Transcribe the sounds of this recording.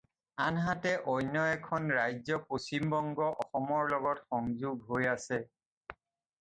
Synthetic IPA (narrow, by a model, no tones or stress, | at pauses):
anɦatɛʔɔjnjɔɛkʰɔnɹajzɔposimbɔŋɡɔʔɔxɔmɔɹlɔɡɔtxɔŋzuɡɦojasɛ